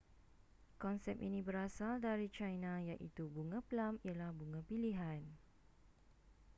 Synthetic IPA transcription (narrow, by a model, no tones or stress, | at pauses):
kɔnsɛp̚ʔḭnĩbəɾasaldaɾit͡ʃajnãjaʔit̪ubuŋãplamialahbuŋãpiliɦan